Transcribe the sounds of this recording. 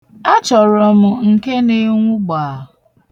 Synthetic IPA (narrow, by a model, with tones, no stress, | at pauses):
a˦t͡ʃɔ˨ɾɔ˨mʊ˨ŋ̩˨ke˦ne˦ŋʷʊ˦ɡ͡baː˨